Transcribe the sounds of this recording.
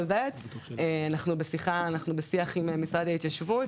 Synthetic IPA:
ðɛteanaχnubesiχaːnaχnubesiaχimemisad̪ait̪jaʃvut

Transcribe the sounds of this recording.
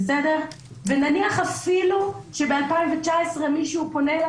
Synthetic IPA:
sedeʁ | venaniaχafiluʃebealpaiɱvet͡ʃaesʁemiʃuupo̞ne

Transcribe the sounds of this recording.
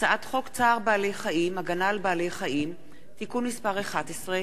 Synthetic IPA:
t͡saʔat̪χo̞kt͡saːʁbaːlejχaʔimaɡanalbaːlejχaim | t̪ikunmispaʁeχatesʁe

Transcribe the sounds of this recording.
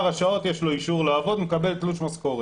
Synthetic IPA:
ʁhaʃao̞t̪jeʃlo̞iʃuʁleːvod̪mekabelt̪luʃmasko̞ʁe

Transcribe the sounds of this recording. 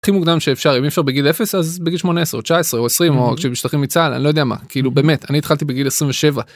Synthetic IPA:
χimuɡd̪amʃeːfʃaʁimefʃaʁbeɡilefesazbeɡilʃmo̞neesʁeot͡ʃaesʁeoesʁimokʃebiʃt̪aχimit͡sala̰nilood̪eɛjama̰kiilubeːmet̪anit̪χalt̪ibeɡilesʁimveʃe̞va

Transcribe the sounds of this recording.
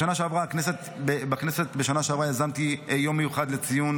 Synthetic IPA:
ʃanaʃeavʁaːkneset̪bebakneset̪beʃanaʃeavʁaezamt̪ijo̞mːejuχad̪let͡sijun

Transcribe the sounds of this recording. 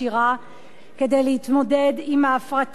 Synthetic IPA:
iʁa | ked̪ejleit̪mod̪ɛd̪imaːfʁat̪

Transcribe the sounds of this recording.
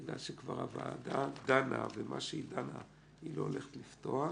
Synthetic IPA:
ɡlalʃekvaʁavaːdad̪anʔa̰vemʔaʃeidana | iloole̞χet̪lifto̞a

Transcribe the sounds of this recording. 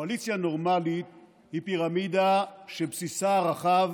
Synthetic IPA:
alit͡sjano̞ʁmalit̪̚ | hipiʁamid̪aʃepsisaaʁaχav

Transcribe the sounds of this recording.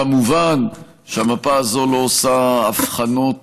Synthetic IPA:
amuvan | ʃeamapaːzo̞lo̞ːsaːfχanot

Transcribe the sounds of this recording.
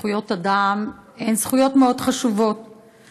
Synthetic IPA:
ujo̞tadame̞jnsχujo̞tmeo̞dχaʃuvo̞t̚

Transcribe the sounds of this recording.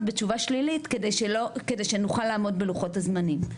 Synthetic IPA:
bet͡ʃuvaʃlilitkedejʃelokede̞jʃenuχalːaːmo̞dbeluχo̞thazmanim

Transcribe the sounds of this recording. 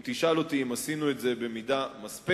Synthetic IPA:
t̪iʃalot̪iimasinuetze̞be̞midamaspe

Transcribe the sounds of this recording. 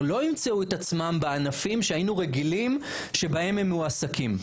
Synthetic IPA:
lo̞imt͡seuet̪at͡smambeanafimʃehajinuʁeɡilim | ʃe̞bɐhe̞memjuasakim

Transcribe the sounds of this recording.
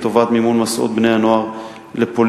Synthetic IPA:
t̪ovat̪mimunmasʔo̰t̪̚bnejhanoaʁ | lepol

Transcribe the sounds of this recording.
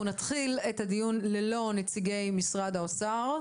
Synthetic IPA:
unat̪χiletad̪ijunlelo̞net͡siɡe̞jmisʁad̪aosaʁ

